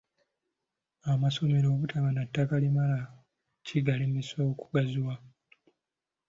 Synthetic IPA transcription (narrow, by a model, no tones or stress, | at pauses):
amaso̞me̞ɾo̞ːβutʰaβanatːakalimala | ciɡalimesoku̥ɡaziwa